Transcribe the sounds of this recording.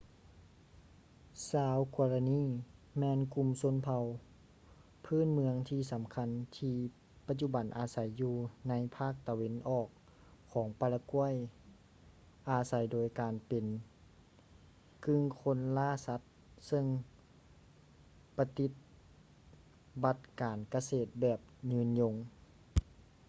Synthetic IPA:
saː˨˧˦wkɔː˧la˧niː˧˥˩mɛː˧nku˧˨mso˧˥˨npʰa˧w | pʰɯː˥˨nmɯ˧əŋt̪ʰiː˧˩sa˨˦mkʰa˧˥nt̪ʰiː˧ | pa˧t̪̚t͡ɕu˧˩ba˨˩nʔaː˨˩sa˨˦jːuː˧na˧˥jpʰaː˥˩k̚t̪a˨˧we˧˥˨nʔɔː˧˩k̚ʰː | ɔː˩˦ŋpa˧la˧ku˧˥˩əj | ʔaː˨˧sa˨˦jdoː˨˩jkaː˨npe˨n | kʰɯ˧ŋkʰo˧˥˨nlaː˥˨sa˧˦t̪̚ | sɤ˧ŋ | pa˧t̪i˧˦t̪̚ | ba˧t̪̚kaː˨nka˧seː˨˩t̪̚bɛː˨˩p̚ɲɯː˧˨nɲo˧˥ŋ

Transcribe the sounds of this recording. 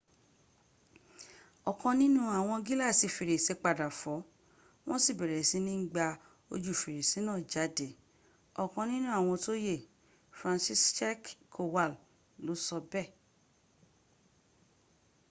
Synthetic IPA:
ɔ˨kɔ̃˧nĩ˦nũ˦a˨w̃ɔ̃˧ɡi˦la˦˨si˨fi˨ɾe˨se˧˦k͡pa˧˨da˨fɔ˨˦ | w̃ɔ̃˦si˦˨bɛ˨ɾɛ˨si˨˦nĩ˦ɡ͡ba˧ | o̰˧d͡ʒu˨fi˨ɾe˨si˨˦nãː˦˨d͡ʒa˨˦de˨˦ | ɔ˨kɔ̃˧nĩ˦nũ˦a˨w̃ɔ̃˧to˦je˦˨ | fɾã˧nsi˦st͡ʃɛ˦kkʰo˧wa˦˨l | lo˨˦sɔ˧bɛ˦˨

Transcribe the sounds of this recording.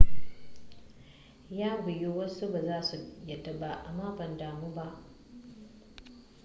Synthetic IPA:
jaː˦ɡʷʊ˨ju˦wɐ˦su˦baː˨zaː˦su˨jɐ˨dɐ˦ba˨ʔa˨maː˦kʷɐ˨ndaː˨muː˦ba˦ʔ

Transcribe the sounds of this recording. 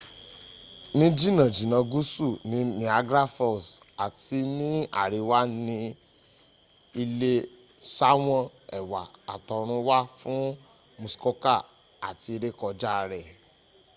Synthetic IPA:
nĩ˦d͡ʒi˦˨nã˨d͡ʒi˨nã˧ɡu˦su˦˨nĩ˨˦nĩ˨˦a˧ɡɾa˦fɔ˦˨s | a˨ti˧˦nĩ˦a̰˦˨ɾi˨˧wa˦nĩ˧ | i˧le˧ | sa˦w̃ɔ̃˦˨ɛ˨wa˨a˨tɔ˨ɾ̃ũ˧˦wa˦fũ˦ | mũ˧sko˦ka˦˨ | a˨ti˧ɾe˦kɔ˧d͡ʒa˦˧ɾɛ˨

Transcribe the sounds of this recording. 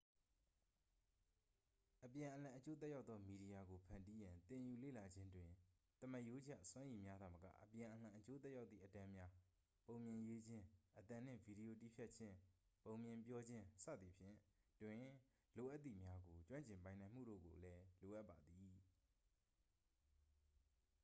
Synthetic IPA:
ʔəpjã˨ʔəlã˨ʔət͡ɕo˦t̪̬ɛ˦ja˦ʊt̪ðɔ˦mi˨ɾi˨ja˨ɡo˨pʰã˨nti˦jã˨nt̪ɪ̃˨ju˨lḛ˦˨la˨d͡ʑɪ̃˦ndwɪ̃˨ | t̪əmə˦˨ʔjo˦d͡ʑa̰˦˨ʔswã˦ji˨mja˦d̪ða˨məkä̰˦˨ʔəpjã˨ʔəl̥ã˨ʔət͡ɕo˦t̪ɛ˦ʔja˦ʊt̪θḭ˦˨ətã˦mja˦ | põ˨ʊ̃mjɪ̃˨jwe˦d͡ʑɪ̃˦ʔət̪ã˨n̥ɪ̰̃˦˨vi˨ɾi˨o˨ti˦˨pʰjɛ˦t̚t͡ɕʰɪ̃˦põ˨ʊ̃mjɪ̃˨mpjɔ˦d͡ʑɪ̃˦sä̰˦˨d̪ði˨pʰjɪ̰̃˦˨twɪ̃˨ | lo˨ʔa˦t̪ːḭ˦˨mja˦ɡo˨t͡ɕwã˦ɲt͡ɕɪ̃˨mpã˨ɪ̃nã˨m̥ṵ˦˨ɾo̰˦˨ɡo̰˨lɛ˦lo˨ʔa˦ʔpːa˨d̪i˨

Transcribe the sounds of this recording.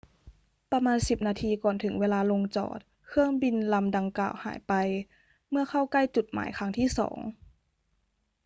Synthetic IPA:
pa˧maː˧nsi˨˩p̚naː˧t̪ʰiː˧kɔː˨˩nt̪ʰɯ˩˦ŋweː˧laː˧lo˧ŋt͡ɕɔ̰ː˨˩t̪̚ | kʰɯ˥˩əŋbi˧nla˧mda˧ŋka̰ː˨˩wha̰ː˩˦jpa˧j | mɯ˥˩ɐxʰa˥˩wka˥˩jt͡ɕu˨˩t̪̚ma̰ː˩˦jkʰa˧˥ŋt̪ʰiː˥˩sɔ̰ː˩˦ŋ

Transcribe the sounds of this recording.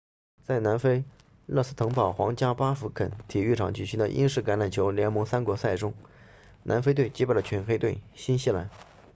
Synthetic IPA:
t͡sa˥˩ɪna˧˥nfe˥ɪ | lɤ˥˧sɹ̩˥t̪ʰɤ˧˥ŋpɑ˨˩ʊxwɑ̰˧˥ŋt͡ɕja˥pa˥fu˧˥kʰə̰˨˥nt̪ʰi˨˩y˥˩ʈ͡ʂʰɑ̰˨˩ŋt͡ɕy˥˩i˧˥nd̪ə̰˧ʔḭ˥nʂɻ̩˥˩ka˧˥nla˨˩nt͡ɕʰjo˧˥ʊljɛ˧˥nmɤ˧˥ŋsa˥nkwɔ˧˥sa˥˩ɪʈ͡ʂʊ˥ŋ | nʔa̰˧˥nfe˥ɪt̪we˥˩ɪt͡ɕi˧˥pa˥˩ə˩t͡ɕʰɛ˧˥nxe˥ɪt̪we˥˩ɪɕi˥nɕi˥˩la̰˧˥˦n

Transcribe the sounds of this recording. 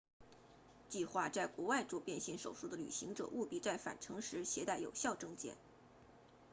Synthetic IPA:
t͡ɕi˥˧xwa˥˧t͡sa˥˩ɪkwɔ˧˥wa˥˧ɪʈ͡ʂɔ˥˧pjɛ˥˧nɕi˥˩ŋʂo̰˨˩ʊʂu˥˩d̪ə˩ly̰˨˩ɕi˧˥ŋʈ͡ʂɤ̰˨˩ʔu˥˧pi˥˧t͡sa˥˩ɪfa̰˨˩nʈ͡ʂʰɤ˧˥ŋʂɻ̩˧˥ɕjɛ˧˥t̪a˥˩ɪjo̰˨˩ʊɕjɑ˥˧ʊʈ͡ʂɤ˥˧ŋt͡ɕjɛ̰˥˩n

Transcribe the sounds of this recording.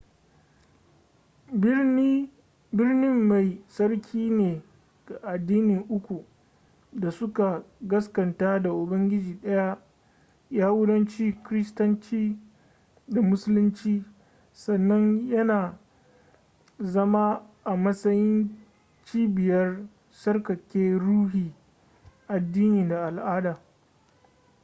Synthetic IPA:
bɪ˦rnɪ˦mːa˨jsɐ˦rkʲʰiː˦neː˨ | ɡ̥a˨ʔa˨dːiː˦nɪ˨ŋʔʊ˦kʷu˨ | da˨sʊ˦ka˨ɡɐ˦skɐ˨ntaː˦da˨ʔʊ˨bɐ˦ŋɡʲɪ˦d͡ʒiː˨ɗɐ˦ja˦ | jaː˦wʊ˦dɐ˦nt͡ʃiː˦kɾɪ˦stɐ˦nt͡ʃiː˦ | da˨mʊ˦sʊ˦lɪ˦nt͡ʃiː˦ | sɐ˨nːɐ˦ɲjɐ˦naː˨ | zɐ˦ma˦ʔa˨mɐ˦sɐ˦jɪ˦n | t͡ʃiː˦bɪ˨jɐ˦r | sɐ˦rkɐ˨kʲeː˦ɽuː˦ɦiː˨ | ʔa˨dːiː˦niː˨da˨ʔa˨lʔaː˦daː˨

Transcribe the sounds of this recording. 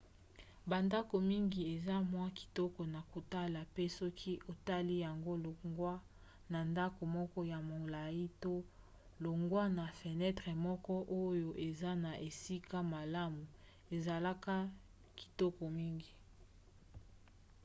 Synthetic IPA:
ba˨nda˦ko˨mi˦ŋɡi˨e˨za˦mwa˦ki̥˨tɔ˦kɔ˨na˨ko˨ta˦la˨pe˦sɔ˦kʰi˦ʔo˨ta˦li˦ja˨ŋɡo˦lo˨ɡwa˦ | na˨nda˦ko˨mɔ˦kɔ˦ja˨mo˨la˨ji˦to˦ | lo˨ŋɡwa˦na˨fe˨nɛ˦tʁɛ˨mɔ˦kɔ˦ʔo˦jo˨ʔe˨za˦na˨ʔe˨si˦ka˦ma˨la˦mu˨ | e˨za˨la˦ka˦ | ki̥˨tɔ˦kɔ˨mi˦ŋɡi˨

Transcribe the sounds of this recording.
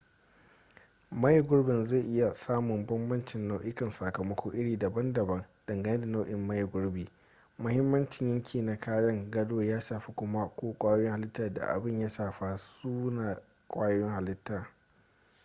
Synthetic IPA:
mɐ˦ji˨ɡʷʊ˦ɾbɪ˨nze˦˨ʔɪ˦ja˨saː˦mʊ˨mbɔ˦mbɐ˦nt͡ʃɪ˨nːa˦wʔɪ˦kɐ˨nsɐ˨kɐ˨mɐ˦kʰʷoː˦ʔɪ˦ɽiː˨dɐ˨bɐ˦ndɐ˨bɐ˦nd̥ɐ˨ŋɡɐ˦ne˦da˨na˦wʔɪ˨mːɐ˦jɪ˨ɡʷʊ˦ɽbiː˨ | mʊ˦hɪ˦mːɐ˦nt͡ʃɪ˨ɲjɐ˦ŋkʲʰiː˨na˦kaː˦jɐ˦ŋɡɐ˦doː˦jaː˦ʃaː˨ɸi˦kʷʊ˦ma˦kʷoː˦kʷʼaː˦jwɪ˦ŋha˨lɪ˦tːaː˨da̰˨ʔa̰˨bɪ˦˨ɲja˦ʃaː˨ɸa˦suː˦naː˨ | kʷʼaː˦jwɪ˦ŋha˨lɪ˦tːaː˨

